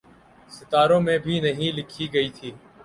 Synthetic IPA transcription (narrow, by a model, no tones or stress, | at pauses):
sɪt̪aːɾõːmẽːbʱiːnəɦĩːlɪkʰiːɡəiːt̪ʰiː